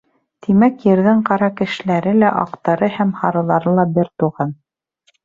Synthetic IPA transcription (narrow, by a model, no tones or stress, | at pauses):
t̪ʰimækjɘ̆ɾðɘɴqɑɾɑkɘ̆ʃɘ̆læɾɘlæʔɑ̰qt̪ɑɾɤhæmhɑɾɤ̆lˠɑɾɤlˠɑbɘɾt̪uʁɑn